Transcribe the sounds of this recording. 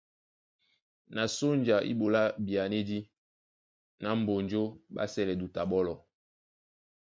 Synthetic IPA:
na˨so˦nd͡ʒa˨ʔḭ˦bo˨la˦bi˨a˨ne˦di˦ | na˨˦m˨bo˨nd͡ʒo˦ba̰˦sɛ˦lɛ˨du˨ta˨ɓɔ˦lɔ˨

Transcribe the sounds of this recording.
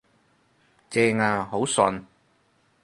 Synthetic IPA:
t͡sɛː˧ŋaː˧ho˨˥wsɔ˧n

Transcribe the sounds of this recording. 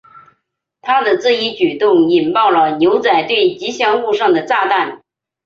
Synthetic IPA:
t̪ʰa˥d̪ə˨t͡sɹ̩˥˩i˧˥t͡ɕy˨˩t̪ʊ˥˩ŋi˨˩npɑ˥˩ʊlə˩njo˧˥ʊt͡sa˨˩ɪt̪we˥˩ɪt͡ɕi˧˥ɕjɑ˥ŋxu˥˧ʂɑ˥˩ŋd̪ə˩t͡sa˥˧t̪a˥˩n

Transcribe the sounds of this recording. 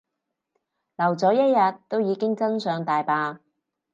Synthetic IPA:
lɐ˨˩wt͡sɔː˨˥jɐ˥t̚jɐ˨t̪ːo˥wjiː˨˧kɪ˥ŋt͡sɐ˥nsœː˨˧ŋt̪aː˨jpaː˧

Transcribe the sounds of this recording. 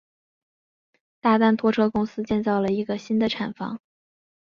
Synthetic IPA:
t̪a˥˧t̪a˥˩nt̪ʰwɔ˥ʈ͡ʂʰɤ˥kʊ˥ŋsɹ̩˥t͡ɕjɛ˥˧nt͡sɑ˥˩ʊlə˩i˧˥ɡə˧ɕi˥nd̪ə˨ʈ͡ʂʰa˨˩nfɑ̰˧˥ŋ

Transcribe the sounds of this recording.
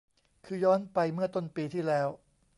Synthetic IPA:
kʰɯː˧jɔː˦˥npa˧jmɯ˥˩ɐt̪o˥˩npiː˧t̪ʰiː˥˩lɛː˦˥w

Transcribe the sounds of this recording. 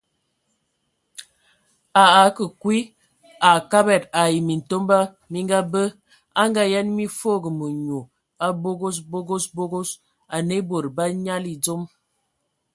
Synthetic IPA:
a˨a˨˦kə˨kwi˦ | a˨ka˦bɛ˨ta˨ji˨mi˨n̩˨to˦mba˦ | mi˦ŋɡa˦bə˦ | a˦ŋɡa˦ja˦nmi˦fo˦˨ɡə˨mə˨ɲo˨ | a˦bo˦ɡo˦sbo˦ɡo˦sbo˦ɡo˦s | a˨ne˦bo˨ɾba˦ɲa˦li˨d͡zo˦m

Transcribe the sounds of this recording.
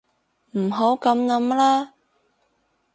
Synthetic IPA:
m̩˨˩ɦo˨˥wkɐ˨˧˥mnɐ˨˥mlaː˥

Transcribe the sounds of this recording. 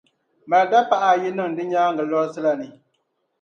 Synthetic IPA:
ma˨lda˦pa˦ʔa˨jɪ˦nɨ˦ŋdɨ˦ɲaː˦ŋ˦ɡɨ˨lɔ˦ɾsɨ˦la˨nɨ˨

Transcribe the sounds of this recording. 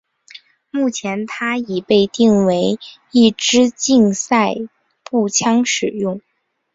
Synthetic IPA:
mu˥˩t͡ɕʰjɛ˧˥nt̪ʰa˥i˨˩pe˥˧ɪt̪i˥˩ŋwe˧˥ɪ | i˥˩ʈ͡ʂɻ̩˥t͡ɕi˥˧ŋsa˥˧ɪ | pu˥˩t͡ɕʰjɑ˥ŋʂɻ̩˨˩jʊ˥˩ŋ

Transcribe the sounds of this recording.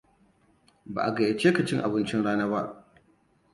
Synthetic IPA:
ba̰˨ʔa˨ɡɐ˨ja˨t͡ʃeː˦ka˨t͡ʃɪ˦ŋʔa˨bɪ˦nt͡ʃɪ˦nɽaː˦naː˦ba˦ʔ

